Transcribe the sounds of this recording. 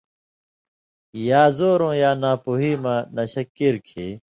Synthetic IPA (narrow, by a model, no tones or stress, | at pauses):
jaːzoːɾõːjaːnaːpuɦiːmãnɐɕɐkːiɾkʰeː